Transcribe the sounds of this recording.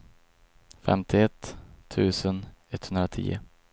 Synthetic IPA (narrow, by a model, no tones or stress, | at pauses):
fɛ̰mt̪ʰɪɛt̪ʰːʉ̟ːsənɛt̪hɵnd̪ɾat̪ʰḭːə̰